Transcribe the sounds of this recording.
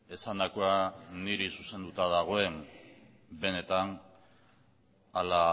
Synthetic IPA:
e̞sand̪akoaniɾisuse̞nd̪ut̪aðaɣ̞o̞e̞m | be̞ne̞t̪an | ala

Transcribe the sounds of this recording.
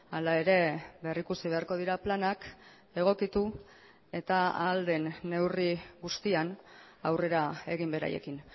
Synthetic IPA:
alae̞ɾe̞berikusiβe̞aɾko̞ð̞iɾaplanak | e̞ɣ̞o̞kit̪u | e̞t̪aa̰ːld̪e̞nːe̞wriɣust̪ian | awre̞ɾae̞ɣimbe̞ɾa̰je̞̰kin

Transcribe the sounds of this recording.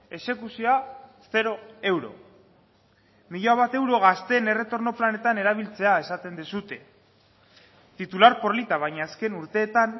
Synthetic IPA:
e̞se̞kusioasθe̞ɾo̞e̞wɾo̞̰ | miʎaβat̪e̞wɾo̞ɣ̞ast̪e̞ne̞re̞t̪o̞ɾno̞plane̞t̪ane̞ɾaβ̞ilt͡se̞ae̞sat̪e̞nd̪isut̪e̞ | t̪it̪ulaɾpo̞ɾlit̪aβ̞ajɲaːske̞nuɾt̪e̞ːt̪an

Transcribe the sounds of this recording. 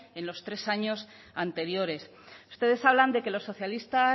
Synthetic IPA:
e̞nlo̞st̪ɾe̞saɲo̞s | ant̪e̞ɾjo̞ɾe̞s | u̥st̪e̞ð̞e̞saβland̪e̞ke̞lo̞sːo̞θjalist̪a

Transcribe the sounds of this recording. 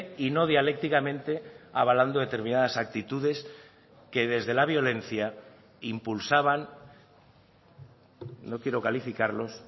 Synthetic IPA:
ino̞ð̞jale̞k̚t̪ikamẽ̞nt̪e̞aβ̞aland̪oðe̞t̪e̞ɾmĩnaðasak̚t̪it̪uðe̞s | ke̞ð̞e̞zðe̞laβ̞jo̞le̞n̟θja | impulsaβan | no̞kje̞ɾo̞kalifikaɾlo̞s

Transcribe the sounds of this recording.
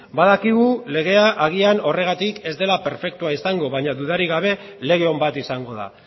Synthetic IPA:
baðakiɣ̞ule̞ɣe̞aʔaɣ̞iano̞re̞ɣ̞at̪ike̞zd̪e̞lape̞ɾfe̞kt̪uaisaŋɡo̞βaɲaðuðaɾiɣ̞aβ̞e̞le̞ɣe̞o̞mbat̪isaŋɡo̞ða̰

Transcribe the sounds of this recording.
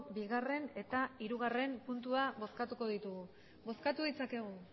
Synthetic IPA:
biɣare̞ne̞t̪aiɾuɣ̞are̞mpunt̪̬uaβo̞skat̪uko̞ð̞it̪uɣu | bo̞skat̪uð̞it͡sake̞ɣ̞u

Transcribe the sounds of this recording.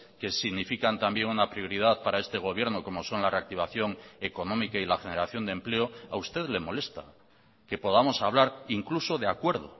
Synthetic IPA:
ke̞siɣnifikant̪ambje̞ŋunapɾjo̞ɾiðaðpaɾae̞st̪e̞ɣ̞o̞β̞je̞ɾno̞ko̞mo̞so̞nlare̞ak̚t̪iβ̞aθjo̞ŋe̞ko̞nõ̞mikailaxe̞ne̞ɾaθjo̞nd̪emple̞o̞aust̪e̞ðle̞mo̞le̞st̪a̰ | ke̞po̞ðamo̞saβ̞laɾiŋkluso̞ðeakwe̞ɾð̞o̞̰

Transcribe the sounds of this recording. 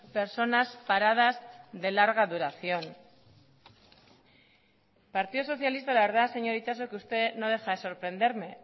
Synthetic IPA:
pe̞ɾso̞naspaɾað̞azðe̞laɾɣaðuɾaθjo̞n | paɾt̪iðoso̞θjalist̪alaβe̞ɾðase̞ɲo̞ɾit̪as̬okust̪e̞no̞ð̞e̞xaeso̞ɾpɾe̞nd̪e̞ɾme̞

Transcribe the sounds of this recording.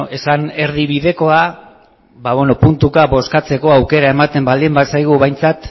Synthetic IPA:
e̞sane̞ɾðiβiðe̞ko̞a | βaβonopunt̪ukaβo̞skat͡se̞ko̞awke̞ɾae̞mat̪e̞mbald̪imbasajɣ̞uβajnt͡sat̪

